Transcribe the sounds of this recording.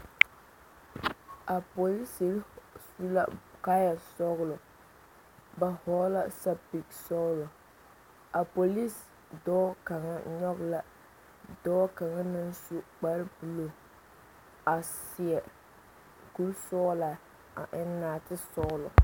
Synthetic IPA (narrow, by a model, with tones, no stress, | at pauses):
ʔa˨po˨li˦si˨lsu˦la̰˦ka˦ja˨sɔ˦ɣlʊ˨ | ba˨hɔ˨˦la˦sa˦bi˨ksɔ˦ɣlɔ˨ | a˨po˨li˦s | dɔː˦ka˨ŋa˦ɲɔ˦ɡla˦ | dɔː˦ka˨ŋa˦na˦nsu˦k͡pa˦ɾbu˨lo˨ | a˨sɪ˨ɛ˨ | ku˦lsɔ˦la˨ | a̰˨ʔɪ˦nː˦aː˨tɪ˦sɔ˦ɣlʊ˨